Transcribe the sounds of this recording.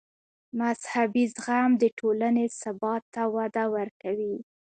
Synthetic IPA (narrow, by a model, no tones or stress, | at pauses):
mazhabizɣamd̪əʈʰolanesabɑt̪ːawad̪awəɾkawi